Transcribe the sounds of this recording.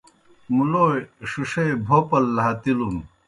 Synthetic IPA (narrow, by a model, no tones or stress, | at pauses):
muloːeʂuʂebʱoːpɐlːɐɦɐt̪ilun